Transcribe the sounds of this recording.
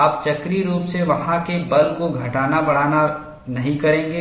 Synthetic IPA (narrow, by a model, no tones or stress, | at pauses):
aːp̚t͡ʃɐkɾiɾuːpseʋɐɦãkebɐlkoɡʱɐʈaːnabɐɽ̤aːna | nɐɦĩkɐɾẽːŋ̆ɡeː